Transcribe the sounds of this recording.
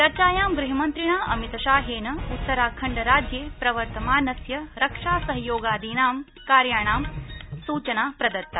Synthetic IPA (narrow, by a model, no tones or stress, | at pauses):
t͡ʃɐɾt͡ʃaːjaːmɡɾuɦimɐnt̪ɾiɳaːʔɐmit̪ɐʃaːɦeːnɐut̪ːɐɾaːkʰɐɳɖɐɾaːd͡ʒjeːpɾɐʋɐɾt̪ɐmaːnɐsjɐɾɐkʂaːsɐɦɐjoːɡaːd̪ʱiːnaːm | kaːɾjaːɳaːmsuːt͡ʃɐnaːpɾɐd̪ɐt̪ːɐ